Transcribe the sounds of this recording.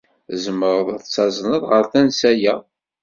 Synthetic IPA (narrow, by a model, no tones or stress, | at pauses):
zəməɾðˤt͡sːɑzˤnəðˤʁəɾθænsæjæ